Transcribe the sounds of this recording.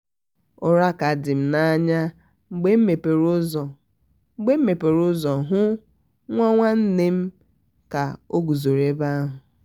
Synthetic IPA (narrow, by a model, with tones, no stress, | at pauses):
ʊ˦ɾa˦ka˨dɪ˨m̩˨na˦ɲa˦ | ŋ͡m̩˦ɡ͡be˦m̩˦me˨pe˨ɾʊ˦zɔ˨˦ | ɡ͡be˦m̩˦me˨pe˨ɾʊ˦zɔ˨ɦʊ˦ | ŋʷɔ˦ŋʷa˦n̩˦ne˦m̩˦ | ka˨o˦ɡu˨zo˨ɾe˦ba˦a˦ɦʊ˨